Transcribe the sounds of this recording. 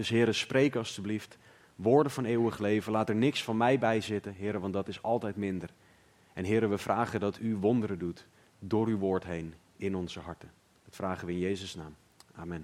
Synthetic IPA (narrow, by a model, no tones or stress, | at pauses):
dɵsɦɪːɾəsprejkəɑlˠstyblift | ʋʊːɹdənvɑneːwəχlejvənlaːtəɹnɪksfɑnmɛjbɛjzɪtənɦɪːɾəʋɑndɑtɪsɑlˠtɛjtmɪndər | ɛnɦɪːɾəʋəvraːχədɑtʰyʋɔndəɾədut | dʊːɾyʋʊːɹtɦejn | ɪnɔnzəɦɑɹtə | dɑtfraːχənʋəɪnjejzəsnaːm | aːmɛn